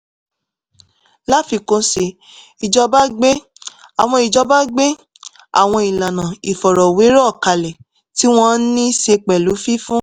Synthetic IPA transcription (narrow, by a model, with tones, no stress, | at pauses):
la˦fi˧kõ˧se˧ | i˨d͡ʒɔ˧ba˦ɡ͡be˦ | a˨w̃ɔ̃˧i˨d͡ʒɔ˧ba˦ɡ͡be˦ | a̰˨w̃ɔ̃˧i˨la˨nã˨i˨fɔ˨ɾɔ˨we˨˦ɾɔ˦˨ka˨lɛ˨ | ti˨˦w̃ɔ̃˧˦nĩ˦se˧k͡pɛ˨lu˨˦fi˦fũ˦